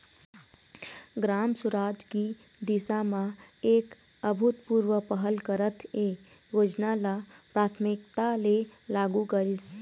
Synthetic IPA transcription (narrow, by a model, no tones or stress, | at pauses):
ɡɾaːmsʊɾaːd͡ʒki | d̪ɪsamã | eːk | əbʱʊt̪puːɾwəpəɦəlkəɾət̪ʰeː | joːd͡ʒnala | pɾaːt̪ʰmɪkt̪ale | laːɡukəɾɪs